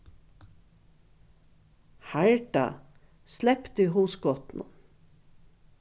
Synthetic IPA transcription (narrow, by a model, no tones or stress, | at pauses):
hæɹɖa̰ | slɛpt̪iːɦuːskɔt̪n̩ə̰